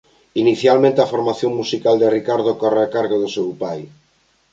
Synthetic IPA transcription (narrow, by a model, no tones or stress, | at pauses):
iniθjalmẽnt̪eafoɾmaθjoŋmusikald̪ɪrikaɾð̞okɔreakaɾɣoðʊsewpaj